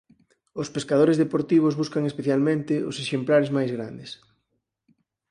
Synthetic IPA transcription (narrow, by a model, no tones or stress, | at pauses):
ʊspeskað̞oɾezðepoɾt̪iβ̞ʊzβuskaŋespeθjalmẽnt̪ɪoseʃemplaɾezmajzɣɾa̰nd̪es